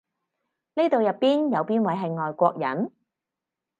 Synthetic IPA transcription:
neː˥t̪o˨wjɐ˨pːiː˥njɐ˨˧wpiː˥nwɐ˨˥jɦɐ˨jŋɔː˨jkʷɔː˧k̚jɐ̰˨˥n

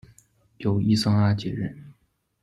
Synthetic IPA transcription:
jo˨˩ʊi˥sɑ˥ŋa˥t͡ɕɛ˨˧˥ɻə˥˩n

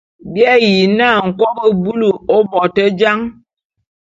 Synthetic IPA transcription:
bjɛ˦ji˨na˦˨ŋ̩˨kɔ˦bə˨bu˦lu˨ɔ˦bɔ˨tə˦d͡ʒa˦ŋ

